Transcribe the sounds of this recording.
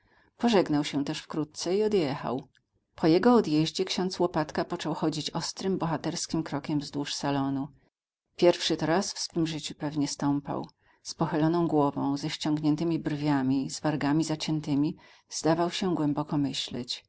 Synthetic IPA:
pɔʐɛɡnawɕɛt̪ɛʂfkɾut̪̚t̪sɛiɔd̪jɛxa̰w | pʰɔjɛɡɔːd̪jɛʑd͡ʑɛkɕɔnt̪swɔpat̪kapɔt͡ʂɔwxɔd͡ʑit͡ɕɔst̪ɾɘmbɔxat̪ɛɾskʲimkɾɔkʲɛmvzd̪wuʂsalɔnu | pʲjɛɾfʂɘt̪ɾasfsfɘmʐɘt͡ɕupɛvɲɛst̪ɔmpa̰w | spɔxɘlɔnɔ̃w̃ɡwɔvɔ̰̃w̃zɛɕt͡ɕɔ̃ŋɡɲɛnt̪ɘmʲibɾrvʲjamʲiz̥vaɾɡamʲizat͡ɕɛnt̪ɘmʲi | z̥d̪avawɕɛɡwɛmbɔkɔmɘɕlɛ̰t͡ɕ

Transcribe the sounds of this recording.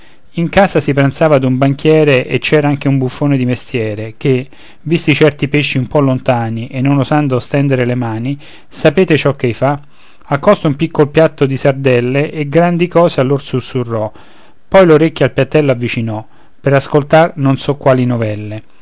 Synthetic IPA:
iŋkaːsasipɾant̪saːvad̪umbaŋk̟jɛːɾeʔet͡ʃːɛːɾaaŋk̟eumbufːoːned̪imest̪jɛːɾek̟e | vist̪it͡ʃɛrt̪ipeʃːiumpɔlːont̪aːniʔenːonozand̪ost̪ɛnd̪eɾelemaːni | sapeːt̪et͡ʃɔkːejfa | akːɔst̪oumpikːolopjat̪ːod̪isard̪ɛlːeʔeɡɾand̪ikɔːsealːorsusːurːɔ | pɔjloɾekʲːjoalpjat̪ːɛlːoavːit͡ʃinɔ | peɾaskolt̪arnonsɔkːwaːlinovɛlːe

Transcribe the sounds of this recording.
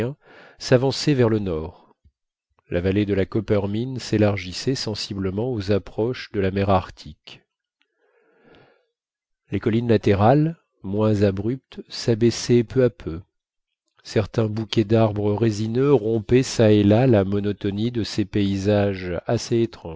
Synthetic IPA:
ɛ̃savɑ̃sɛvɛʁlənɔʁ | lʔavaled̪əlakɔpɛʁminselaʁʒisɛsɑ̃sibləmɑ̃ozapχɔʃd̪əlamɛʁaʁt̪ʰik | lekɔlinlat̪eʁal | mwɛ̃zabʁyp̚t̪sabɛsɛpøapʰø | sɛʁt̪ɛ̃bukʲɛd̪aʁbʁəʁezinøʁɔ̃pɛsaelalamɔnɔt̪ɔnid̪əsepeizaʒaseːt̪χɑ̃

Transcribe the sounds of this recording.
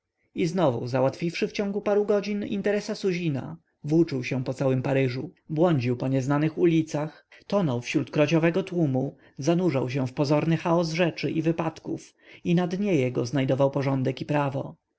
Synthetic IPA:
iznɔvṵzawat̪fʲifʂɘft͡ɕɔŋɡupaɾuɡɔd͡ʑinḭnt̪ɛɾɛsasuʑina̰ | vut͡ʂuwɕɛ̃pɔt̪sawɘmpaɾɘʐubwɔɲd͡ʑiwpɔɲɛznanɘxulʲit̪sax | t̪ɔnɔwfɕɾut̪kɾɔt͡ɕɔvɛɡɔt̪wumu | zanuʐawɕ̬ɛ̃fpɔzɔɾnɘxaɔzʐɛt͡ʂɘʔivɘpat̪kuf | inad̪ɲɛjɛɡɔznajd̪ɔvawpɔʐɔnd̪ɛkipɾavɔ

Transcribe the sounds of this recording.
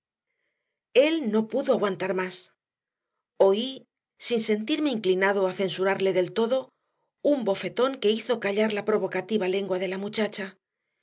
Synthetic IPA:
e̞lno̞puðoaɣwant̪aɾmas | o̞i | sinse̞nt̪iɾme̞iŋklinaðoaθe̞nsuɾaɾle̞ðe̞lt̪o̞ðo̞ | umbo̞fe̞t̪o̞ŋke̞iθo̞kaʎaɾlapɾo̞βo̞kat̪iβale̞ŋɡwaðe̞lamut͡ʃat͡ʃa

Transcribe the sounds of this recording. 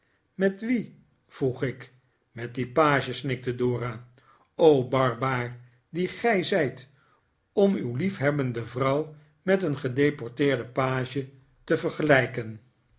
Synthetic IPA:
mɛtʋi | v̥ruχɪk | mɛt̚dipaːʒəsnɪk̚tədʊːraː | owbɑɹbaːr | diχɛjzɛjt | ɔmywlifɦɛbəndəvrʌw | mɛtənχədejpɔɹtɪːɹdəpaːʒə | təvəɹχəlɛjkən

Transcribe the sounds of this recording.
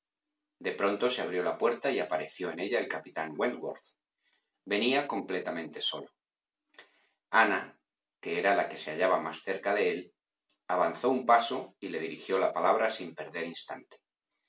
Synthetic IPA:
d̪e̞pɾo̞nt̪o̞se̞aβ̞ɾjo̞lapwe̞ɾt̪aiapaɾe̞θjo̞e̞ne̞ʎae̞lkapit̪aŋweŋɡwoɾθ | be̞niako̞mple̞t̪amẽ̞nt̪e̞so̞lo | ana | ke̞eɾalake̞se̞aʎaβamasθe̞ɾkaðe̞e̞l | aβanθo̞umpaso̞ile̞ð̞iɾixjo̞lapalaβ̞ɾasimpe̞ɾð̞e̞ɾinst̪ant̪e̥

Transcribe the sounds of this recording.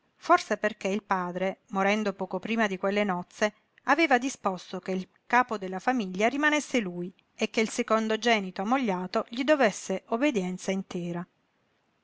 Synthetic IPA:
forseperkeilpaːd̪ɾemoɾɛnd̪opɔːkopɾiːmad̪ikwelːenɔt̪sːe | aveːvad̪ispost̪okeil | kaːpod̪elːafamiʎːaɾimanesːeluːj | ekːeilsekond̪od͡ʒɛːnit̪oamːoʎːaːt̪oʎid̪ovesːeʔobed̪jɛnt̪saint̪ɛːɾa

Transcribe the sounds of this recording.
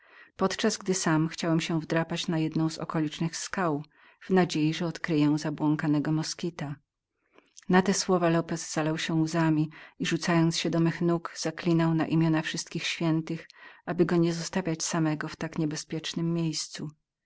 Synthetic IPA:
pɔt̪t͡ʂazɡd̪ɘsamxt͡ɕawɛmɕɛ̃vd̪ɾapat͡ɕnajɛd̪nɔ̃w̃zɔ̰kɔlʲit͡ʂnɘxskaw | vnad͡ʑejiʐɛɔt̪kɾɘjɛ̃zabwɔŋkanɛɡɔmɔskʲit̪a | nat̪ɛswɔvalɔpɛzz̥alawɕɛuzamʲiiʐut̪sajɔnt̪sɕɛd̪ɔmɘxnukz̥aklʲinawna̰ʔimʲjɔnafʂɘst̪kʲixɕfʲjɛnt̪ɘxabɘɡɔɲɛzɔst̪avʲjat͡ɕsamɛɡɔft̪akɲɛbɛspʲjɛt͡ʂnɘmːʲjejst̪su

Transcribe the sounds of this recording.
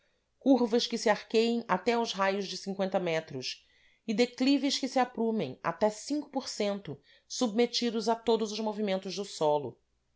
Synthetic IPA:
kuɾvɐʃkɪsiaɾkejẽj̃at̪ɛawzɦajʊzd͡ʒɪsĩŋkwẽnt̪ɐmɛt̪ɾʊs | ɪd̪eklivɪʃkɪsiapɾũmḛ̃j̃a̰t̪ɛsĩŋkʊ̥poɾsẽnt̪ʊ | sub̚met͡ʃid̪ʊzat̪od̪ʊzʊʒmovimẽnt̪ʊʒd̪ʊsɔlʊ̰

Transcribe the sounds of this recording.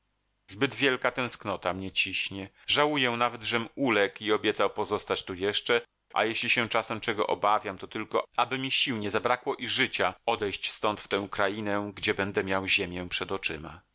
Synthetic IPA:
zbɘd̪vʲjɛlkat̪ɛ̃w̃sknɔt̪amɲɛt͡ɕiɕɲɛ | ʐawujɛ̃navɛd̪ʐɛmulɛkiɔbʲjɛt̪sawpɔzɔst̪at͡ɕt̪ujɛʂt͡ʂɛ | ʔa̰jɛɕlʲiɕɛt͡ʂasɛmt͡ʂɛɡɔ̰ʔɔ̰bavʲjamt̪ɔt̪ɘlkɔabɘmʲiɕiwɲɛzabɾakwɔʔiʐɘt͡ɕaɔd̪ɛjɕt͡ɕst̪ɔnt̪ft̪ɛ̃w̃kɾajinɛɡd͡ʑɛbɛnd̪ɛmʲjawʑemʲjɛpʂɛd̪ɔt͡ʂɘma̰

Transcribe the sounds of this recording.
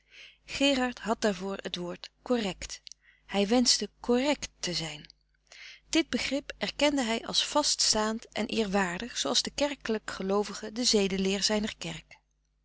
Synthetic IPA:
χɪːrɑɹtɦɑt̚d̥aːɹvʊːɹətʋoːɹtkorɛkt | hɛjʋɛnzdəkorɛktəzɛjn | d̥ɪd̚bəχrɪpɛɹkɛndəɦɛjʔɑ̰lˠsfɑststaːntʔɛ̰nʔɪ̰ːɹʋaːɹdəχsowɑlˠzdəkɛɹkələkχəlowvəχədəzejdəlɪːɹzɛjnəɹkɛrk

